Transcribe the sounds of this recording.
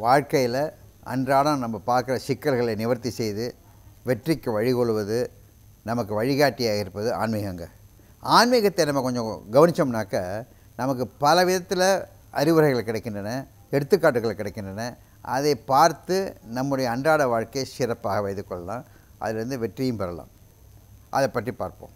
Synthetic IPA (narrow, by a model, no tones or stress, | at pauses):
ʋaːɻkɐjɪlɐ | ɐ̰ndraːɽɐ̃nɐmːɐpaːɾkɯɾɐsɪkːɐlɣɐɭenɪʋɐɾt̪ːisɛjðɯ | ʋɛʈrɪkːɯʋɐɻɪɣɔɭɯʋɐðɯ | nɐmɐkːɯʋɐɻɪɣaːʈːijaːɣɪɾɯpːɐðɯa̰ːnmiːɣɐŋɡɐ | aːnmiːɣɐt̪ːenɐmːɐkɔɲd͡ʒɔ̃ɡɐʋɐnɪt͡ʃːɐmnaːkɐ | nɐmɐkːɯpɐlɐʋɪðɐt̪ːɪlɐ | ɐɾɪʋɯɾɐɪɣɐɭkːɪɽɛɪkːɪnɳdɐnɐ | ɛɽɯt̪ːɯkːaːʈːɯɣɐɭkːɪɽɛɪkːɪɳdɐnɐ | ɐ̰ðepaːɾt̪ɯnɐmːɯɽɐjɐːɳdraːɽɐʋaːɻkɐsɪɾɐpːaːɣɐʋɐɪjðɯkːɔɭːɐlãː | ʔɐ̰ðɪlɐɾɯnd̪ɯʋɛʈrijɯmpɐɾɐlã̰ːm | ʔɐ̰ðɛpːɐʈripa̰ːɾpõ̰ː